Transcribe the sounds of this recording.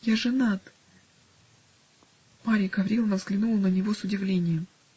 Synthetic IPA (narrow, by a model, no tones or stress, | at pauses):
jaʐɨnat̪ | paɾʲɪɡɐvɾʲilˠnəvzɡlʲɪnulˠnənʲɪvosʊdʲɪvlʲenʲɪjəm